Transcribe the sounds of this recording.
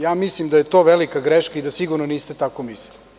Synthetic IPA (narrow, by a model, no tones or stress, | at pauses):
jaːmislimd̪ajet̪o̞ːʋelikaɡɾeʃkaid̪asiɡuɾnoniːst̪et̪akomislili